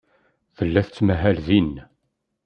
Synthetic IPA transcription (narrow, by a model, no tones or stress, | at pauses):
θəlːæθt͡sːmæɦælðin